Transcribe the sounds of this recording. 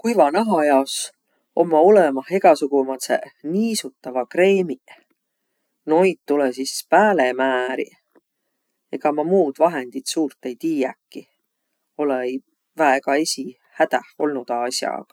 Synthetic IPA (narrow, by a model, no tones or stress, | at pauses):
kujvɑnɑɦɑjɑos | o̞mːɑolemɑhe̞ɡ̥ɑsuɡ̥umɑt̪sḛniːsut̪ːɑvɑkre̞ːmi | no̞jt̪̚t̪ːulesispæːlemæːɾḭ | e̞ɡ̥ɑmɑmuːd̪̥vɑɦe̞nd̪̥it̪suːrt̪ːˑe̞jt̪iːjækːˑi | o̞lej | væɦekɑe̞sʲi | hæd̪̥æho̞lnud̪̥ɑɑsjɑ̰kɑ